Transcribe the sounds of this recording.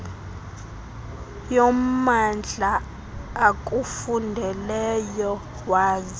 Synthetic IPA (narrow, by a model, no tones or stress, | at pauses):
jɔmand͡ɮʱaː | k̬ʼufundʱɛlɛjɔ | waːzi